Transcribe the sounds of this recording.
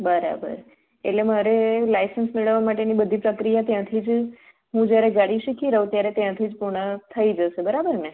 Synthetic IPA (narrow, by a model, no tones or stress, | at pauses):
bəɾa̰bə̰ɾ | ḛʈlemaɾelajsənsmeɭəʋamaʈenibəd̪ʱipɾəkɾijat̪jãt̪ʰid͡ʒ | ɦũd͡ʒjaɾeɡaɽiʃikʰiɾəũt̪jaɾet̪jãt̪ʰid͡ʒpuɾɳət̪ʰəid͡ʒəʃebəɾabəɾne